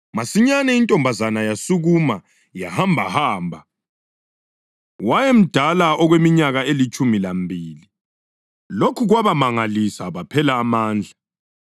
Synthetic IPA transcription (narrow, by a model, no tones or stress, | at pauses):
masiɲanɛintʼɔmbʱazanajasuɣuma | jahambʱa̰haːmbʱa | wajem̩d̥ʱalaɔɣwemiɲaɣaelit͡ʃʼumilambʱiːli | lokʰuɣwaβamaŋalisaβapʰɛlaːmaːnd͡ɮʱa